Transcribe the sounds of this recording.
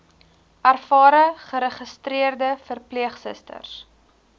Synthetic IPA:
ʔærfɑːɾəχəɾəχəstriərdəfərpliəχsə̰stə̰rs

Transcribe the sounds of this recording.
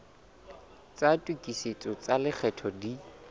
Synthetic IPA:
t͡sʼatʼwikʼiset͡sʼɔt͡salɪk͡xʰɛtʰɔdi

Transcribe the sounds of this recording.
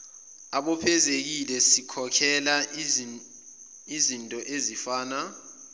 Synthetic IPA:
aɓɔpʰɛzek̬ilɛsikʰɔkʰɛla | izintʼɔʔezifaːna

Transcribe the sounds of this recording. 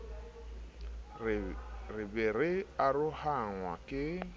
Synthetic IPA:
rɪbɪɾɪarʊhaŋwa̰kʼɪ

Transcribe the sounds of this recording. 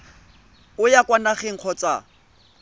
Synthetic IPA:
ʊjakwanaχeŋ̩q͡χʰɔt͡sa̰

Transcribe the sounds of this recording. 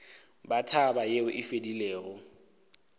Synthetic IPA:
batʰabajeʊʔɪfedileːɣʊ

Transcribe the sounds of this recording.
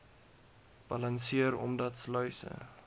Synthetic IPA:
b̥ɐlɐnsiəɾɔ̰mdɐtslœɥsə̰

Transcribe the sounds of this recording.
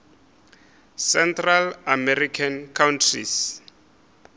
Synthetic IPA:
sɛntralamɛɾikʰankʰawntʰrḭs

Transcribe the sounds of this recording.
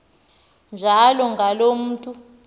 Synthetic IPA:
nd͡ʒʱalɔŋɡʱalom̩ːtʼu

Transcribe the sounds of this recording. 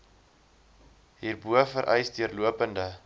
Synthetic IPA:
ɦiːrbuəfəɾʔɛ̰jsdiərluəpəndə

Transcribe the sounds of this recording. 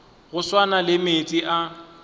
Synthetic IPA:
ɣʊswanalɪmet͡sʼiʔa

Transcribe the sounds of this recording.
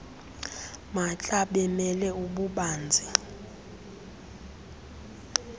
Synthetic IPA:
mat͡ɬʼaɓɛmɛlɛuɓuɓaːnd͡zʱi

